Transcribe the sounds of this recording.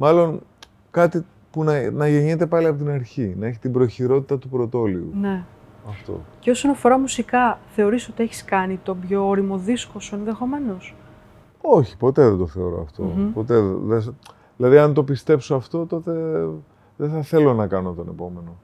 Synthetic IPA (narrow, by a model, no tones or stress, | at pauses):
mɐlo̞n | kɐt̪i | punɐnɐʝeɲit̪e̞pɐliɐpo̞t̪̬inɐɾçinɐe̞çit̪ibɾo̞çiɾo̞t̪it̪ɐt̪upɾo̞t̪o̞liṵne̞ɐft̪o̞̰ceo̞so̞nɐfo̞ɾɐmusikɐθe̞oɾisot̪ie̞çi̥skɐnit̪o̞bʝo̞oɾimo̞ðiskosoenðe̞xo̞me̞no̞s | o̞çi̥po̞t̪e̞ðed̪o̞θe̞o̞ɾo̞̰ɐ̰ft̪o̞̰po̞t̪e̞ðes | ðilɐðiɐnt̪o̞pist̪e̞psoɐft̪o̞t̪o̞t̪e̞ | ðeθɐθe̞lo̞nɐkɐnot̪one̞̰po̞me̞no̞